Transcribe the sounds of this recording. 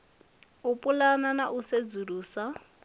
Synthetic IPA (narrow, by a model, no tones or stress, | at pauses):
upʼulananaʔused͡zuruːsa